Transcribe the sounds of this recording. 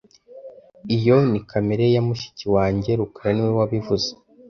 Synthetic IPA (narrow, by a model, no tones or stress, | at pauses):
ijo̞nikameɾe̞jamuʃi̥ciwaːɲɟe̞ɾukaɾaniwewaβivuze